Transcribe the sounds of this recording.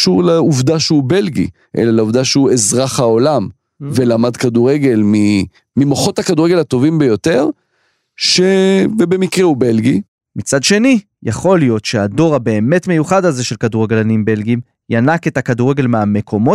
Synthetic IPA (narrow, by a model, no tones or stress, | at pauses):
ʃuʁleuvd̪aʃeube̞lɡḭ | ʔḛlaleuvd̪aʃeuezʁaχhao̞lam | velamad̪kaduʁeɡe̞lmi | mimoχo̞thakaduʁeɡe̞lat̪o̞vimbejo̞t̪e̞ʁ | ʃevebe̞mikʁeube̞lɡi | mit͡sadʃe̞ni | jaχo̞lijo̞t̪ʃeado̞ʁabe̞ːme̞tme̞juχadaze̞ʃelkaduʁeɡe̞lanimbe̞lɡim | janake̞takaduʁe̞ɡe̞lmeame̞kʰo̞mo̞